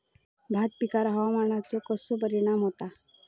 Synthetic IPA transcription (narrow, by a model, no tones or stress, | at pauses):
bʱat̪̚pikaɾɦaʋamaɳ̃at͡sɔkəsop̬əɾiɽ̃amɦot̪a